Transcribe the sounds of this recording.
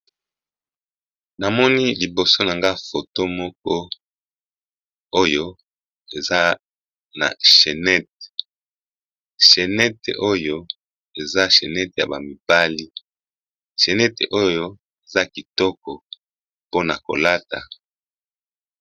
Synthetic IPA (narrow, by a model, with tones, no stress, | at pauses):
na˨mɔ˦ni˦li˨bo˨so˦na˨ŋɡa˦fo˨to˦mɔ˦k̚ɔ˦ | o˦jo˦ | e˨za˦ | na̰˨ʃe˨nɛ˦t̚e̥˨ | ʃe˨nɛ˦tḛ˨ʔo˦jo˦ | e˨za˦ʃe˨nɛ˦te˨ja̰˨ba˨mi˨ba˦li˦ | ʃe˨nɛ˦te˨ʔo˦jo˦ | e˨za˦ki˨tɔ˦kɔ˨ | po˦na˨ko̰˨la˦ta̰˨